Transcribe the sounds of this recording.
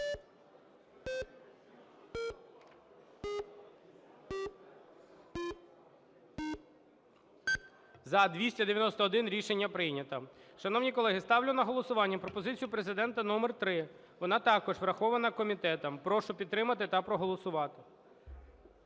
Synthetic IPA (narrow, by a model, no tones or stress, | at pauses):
zɐd̪ʋʲisʲtʲɐd̪eʋʲjɐnɔst̪ɐɔd̪ɪnɾʲiʃenʲːɐpɾɪjnʲɐt̪ɐʃɐnɔwnʲikɔlˠɛɦɪst̪ɑwlʲʊnɐɦɔlˠɔsʊʋɑnʲːɐpɾɔpɔzɪt͡sʲijʊpɾe̞zɪd̪ɛnt̪ɐnɔmɛrt̪ɾɪ | ʋɔnɑt̪ɑkɔʒfɾɐxɔʋɐnɐkɔmʲit̪ɛt̪ɐmpɾɔʃʊpʲid̪t̪ːɾɪmɐt̪ɪt̪ɐpɾɔɦɔlˠɔsʊʋɑt̪ɪ